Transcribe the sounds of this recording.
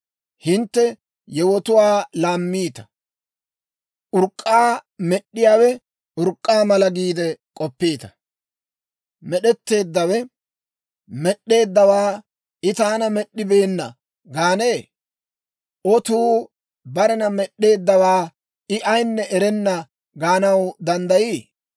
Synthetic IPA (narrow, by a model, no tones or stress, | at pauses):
hɪnt̪ːɛ | jɛwɔt̪ʊwaːlaːmːiːt̪ɐ̥ | ʔʊɾkʼːaːmɛɗːɪjaːwɛ | ʔʊɾkʼːaːmɐlɐɡiːd̪ɛkʼɔpːeːt̪ɐ̥ | mɛɗɛt̪ːe̞ːd̪ːɐwɛ | mɛɗːe̞ːd̪ːɐwaː | ʔɪt̪aːnɐmɛɗːɪbe̞ːnːɐ̰ | ɡaːne̞ː | ʔɔt̪uː | bɐɾɛnɐmɛɗːe̞ːd̪ːɐwaː | ɪʔɐjnːɛʔɛɾɛnːɐ | ɡaːnɐwd̪ɐnd̪ɐjiː